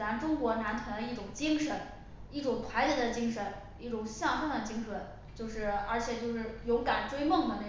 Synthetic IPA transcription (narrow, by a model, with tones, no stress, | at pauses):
a˧˥nʈ͡ʂʊ˥ŋkwɔ˧˥na˧˥nt̪ʰwnd̪ə˧i˥˩ʈ͡ʂʊ˨˩ŋt͡ɕi˥ŋʂə˧˥n | i˥˩ʈ͡ʂʊ˨˩ŋt̪ʰwa˧˥ɪt͡ɕjɛ˧˥d̪ə˧t͡ɕi˥ŋʂə˧˥n | i˥˩ʈ͡ʂʊ˨˩ŋɕjɑ˥˩ŋʂɤ˥ŋd̪ə˨˩t͡ɕi˥ŋʂwə˧˥n | t͡ɕjo˥˧ʊʂɻ̩˥˩ə̰˞˧˥t͡ɕʰjɛ˨˩t͡ɕjo˥˧ʊʂɻ̩˥˩jo˧˥ʊka˨˩nʈ͡ʂwe˥ɪmɤ˥˩ŋd̪ə˩ne˥˩